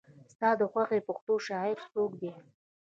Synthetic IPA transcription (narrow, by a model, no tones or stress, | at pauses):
st̪ɑd̪əxwaxepʊxt̪oʃɑet̪tokd̪e